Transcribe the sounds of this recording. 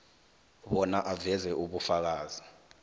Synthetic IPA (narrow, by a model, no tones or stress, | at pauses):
ɓɔnaʔavɛzɛʔuɓufak̬aːz̥i